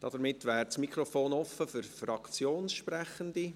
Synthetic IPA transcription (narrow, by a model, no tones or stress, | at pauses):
d̥ɑd̥əɾmɪtːʋɛːɾsmikχɾɔfoːnɔfəfyɾfrɑkt͡sjoːnsʃprɛχəndi